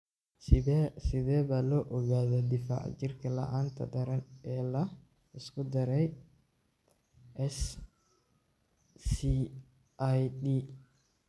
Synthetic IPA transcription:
sɪðɛːβaːlɔːʔɔɣaːðɔd̪ɪfa̰ʕ̰t͡ʃɪrkʰɐlɐ̰ʔaːnt̪ʰɐ̰d̪ɐɾɐnɛːlɐ | ɪskʰʊd̪ɐɾɛj | ʔɛs | si | ʔjd̪iː

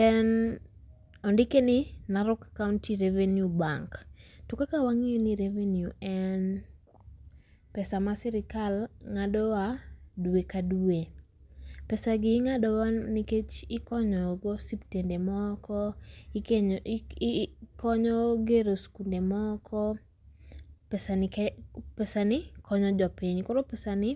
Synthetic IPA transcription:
kɛn | ɔndɪkenɪnaɾʊkakauntiɾevenjubaŋktukakawaŋiniɾevenjuɛn | pɛsamasɪɾɪkalŋadɔwaduekadue | pɛsaɡɪŋadɔwaniket͡ʃɪkɔɲɔɡɔsiptendemɔkɔkeɲ | kɔɲɔɡeɾoskundemɔkʰɔ | pɛsa | pɛsanɪkɔɲɔd͡ʒɔpiɲkɔɾopɛsanɪ

